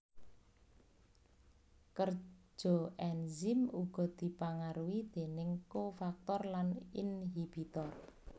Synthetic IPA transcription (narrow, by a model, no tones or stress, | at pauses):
kər̥ʒ̥ɔ̤ʔɛnzimuɡ̥ɔ̤d̪̥i̤paŋaɾuwid̪̥e̤nɪŋkofak̚t̪ɔrlaninɦib̥it̪ɔr